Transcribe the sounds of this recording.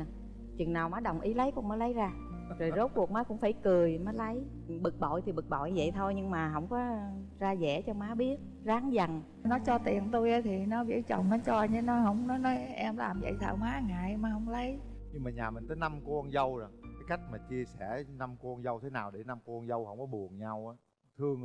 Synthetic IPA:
t͡ɕwḭ˨naː˨˩wmaː˨˦˥ɗə˨˩wŋ͡mʔi˨˦lə˨˦jkʊ̰˧˩məː˨˦lə˨˦jzaː˧ | zo˨˩jzo˨˦˥t̚ku˨˩maː˨˦jkʊ̰˧˥ŋ͡mfaː˧˩jkɨ˨˩əjmaː˨˦jlə˨˦j | ɓɨ˨˩k̚ɓɔ̰˧˨jt̪ʰi˨˩ɓɨ˨˩k̚ɓɔ̰˧˨jzə̰˧˨jt̪ʰo˧jɲɨ˧ŋmaː˨˩ɦə̰˧˥wŋ͡mkɔ˨˦zaː˧zɛ̰˧˩˥t͡ɕɔ˧maː˨˦ɓi˦˥ət̚ | zaː˨˦ŋza˨˩n | nɔ˨˦t͡ɕɔ˧t̪i˨˩ənt̪u˧jʔaː˨˦t̪ʰi˨˩nɔ˨˦vḭ˧˥t͡ɕə̰˧˨wŋ͡mnɔ˨˦t͡ɕɔ˧ɲɨ˨˦nɔ˨˦ɦə˧˩wŋ͡mnɔ˨˦nɔ˨˦jʔɛ˧mla̰ː˨˩mzə̰˧˨jt̪ʰa̰ː˧˩wmaː˨˦ŋa̰ː˧˨jma˨˦hə˧˩wŋ͡mlə˨˦jɲɨ˧ŋmaː˨˩ɲaː˨˩mï˨˩ŋ̟t̪ʰːjna˧mku˧nzə˧wzə˨˩kaː˨˦jka˦˥jk̟̚maː˨˩t͡ɕi˧əsɛ˧˩na˧mku˧nzə˧wt̪ʰe˨˦naː˨˩wɗe˧˩na˧mku˧nzə˧whə˧˩wŋ͡mkɔ˨˦ɓu˨˩ənɲa˧wʔaː˨˦ | t̪ʰɨ˧əŋ

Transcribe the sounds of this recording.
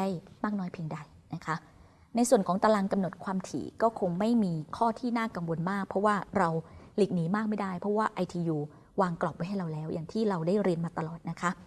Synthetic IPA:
a˥˩jmaː˥˩k̚nɔː˦˥jpʰi˧ŋda˧j | na˦˥kʰa˦˥ʔ | na˧jsu˨˩ənkʰɔː˩˦ŋt̪a˧la˧ŋka˧mno˨˩t̪̚kʰwaː˧mt̪ʰḭː˩˦kɔː˥˩kʰo˧ŋma˥˩jmiː˧kʰɔː˥˩t̪ʰiː˥˩naː˥˩ka˧ŋwo˧nmaː˥˩k̚pʰɾɔ˦˥waː˥˩ɾa˧wli˨˩k̚niː˩˦maː˥˩k̚ma˥˩jda˥˩jpʰɾɔ˦˥waː˥˩ʔa˧jt̪ʰiː˧juː˧ | waː˧ŋklɔ˨˩p̚wa˦jɦa˥˩ɾa˧wlɛː˦˥wja̰ː˨˩ŋt̪ʰiː˥˩ɾa˧wdaː˥˩jɾi˧ənmaː˧t̪a˧lɔː˨˩t̪̚na˦˥kʰa˦˥

